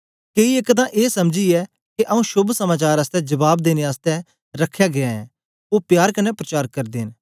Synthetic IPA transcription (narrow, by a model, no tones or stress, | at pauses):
keːiekt̪̬ãʔeːsɐmd͡ʒiɛ | keʔɐũʃʊbʱsɐmaːt͡ʃaːɾɐst̪ɛd͡ʒɐbaːbd̪eːneaːst̪ɛ | ɾɐkʰːjaɡɪaɛ̃ | oːpjaːɾkɐnɛpɾɐt͡ʃaːɾkɐɾd̪eːn